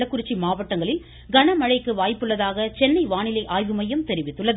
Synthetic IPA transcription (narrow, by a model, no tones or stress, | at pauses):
ɐkːʊɾɪt͡ʃːimaːʋɐʈːɐŋɡɐɭɪl | ɡɐɳɐmɐɻɐɪkːɯʋaːjpːɯɭːɐðaːɣɐt͡ʃɛnːɐɪʋaːɳɪlɐɪʔaːjʋɯmɐjɯmt̪ɛɾɪʋɪt̪ːɯɭːɐð